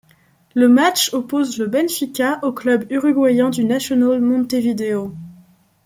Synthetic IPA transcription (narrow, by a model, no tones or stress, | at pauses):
ləmat͡ʃopozləbɛnfikʲaʔoklœbyʁyɡwajɛ̃d̪ynasjɔnalmɔ̃nt̪evid̪eo